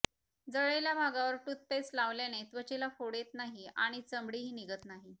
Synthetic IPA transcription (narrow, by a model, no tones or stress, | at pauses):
d͡zəɭejljabʱaɡaʋəɾʈut̪̚pet͡slaʋljanet̪ʋət͡ɕelafoɽet̪naɦia̰ɽ̃it͡səmbɽiɦiːniɡət̪naɦi